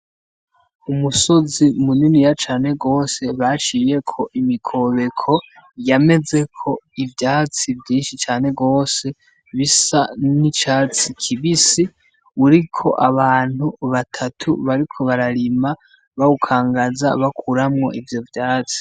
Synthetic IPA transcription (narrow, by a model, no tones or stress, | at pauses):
umuso̞zimuninijat͡ʃaːne̞ɡo̞ːse̞βat͡ʃiːje̞kʰo̞ʔimikʰo̞βe̞kʰo̞ | jame̞ze̞kʰo̞ivjaːt͡sivjiːnʃit͡ʃaːne̞ɡo̞ːse̞ | βisanit͡ʃaːt͡sikʰiβisi | uɾikʰo̞ʔaβaːn̥huβatʰatʰuβaɾikʰo̞βaɾaɾima | βaukʰaːŋɡaza̰βakʰuɾamŋo̞ʔivjo̞vjaːt͡si̥